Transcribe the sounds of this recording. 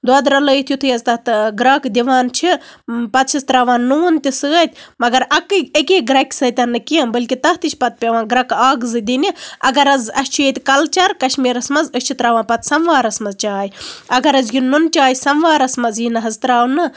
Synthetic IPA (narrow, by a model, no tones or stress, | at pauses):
d̪wɐːd̪ɾɐləjit̪ʰjut̪ʰɨjɐzt̪ɐht̪ɨɡɾɐːkd̪iʋaːnt͡ʃʰipɐt̪ʃʰɐst̪ɾaʋãːnːuːnt̪ʲisɨːɐt̪ʲmɐɡɐɾɐkɨɐkʲeːɡɾɐkʲsɐt̪ʲɐnːɨkiɐnbɐlʲkit̪ɐht̪it͡ʃʰʲpɐt̪̚pʲeʋãːnɡɾɐkaːɡɨzɨd̪iniɐɡɐɾɐzɐst͡ʃʰujeːt̪ʲkɐlt͡ʃɐɾkɐʃmiːɾɐsmɐzəʃʲt͡ʃʰit̪ɾaːʋãːpɐt̪sɐmʋaːɾɐsmɐzt͡ʃaːjiɐɡɐɾɐzɡinnunt͡ʃaːjisɐmʋaːɾɐsmɐzjinɐɦɐzt̪ɾaːʋnɨ